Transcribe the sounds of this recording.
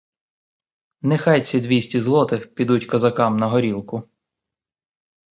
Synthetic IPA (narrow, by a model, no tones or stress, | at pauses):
nɪxɑjt͡sʲid̪ʋʲisʲtʲizlˠɔt̪ɪxpʲid̪utʲkɐzɐkɑmnɐɦɔɾʲilˠkʊ